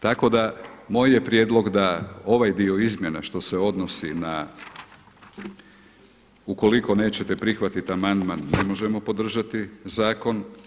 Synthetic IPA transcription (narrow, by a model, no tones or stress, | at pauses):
t̪ako̞d̪amo̞ːjje̞pɾje̞d̪lˠo̞ɡd̪ao̞ʋajd̪io̞izmje̞naʃt̪o̞seo̞d̪no̞sina | uko̞liko̞ne̞ːt͡ɕet̪e̞pɾixʋat̪it̪amand̪manːe̞mo̞ʒe̞mo̞po̞d̪r̩ʒat̪izaːko̞n